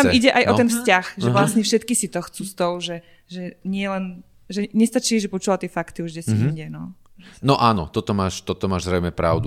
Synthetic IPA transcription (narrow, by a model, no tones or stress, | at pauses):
t̪amiɟɛʔajʔɔt̪ɛnfscaxʒɛʋlasɲɛfʃɛt̪kisit̪ɔxt͡sust̪ɔʊʒɛ | ʒɛɲɪɛlɛn | ʒɛɲɛst̪at͡ʃiːʒɛpɔt͡ʃuʋat̪iɛfakt̪iuʒɟɛsiɲɟɛnɔʒnɔʔaːnɔ̰t̪ɔt̪ɔmaːʃt̪ɔt̪ɔmaːʒzɾɛɪmɛpɾa̰ʊd̪u